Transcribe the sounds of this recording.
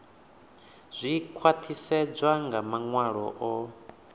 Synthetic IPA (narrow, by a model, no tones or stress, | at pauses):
z̥ʷikʰwat̪ʰisɛd͡zʷaŋɡamaŋwaɺɔ̰ʔɔ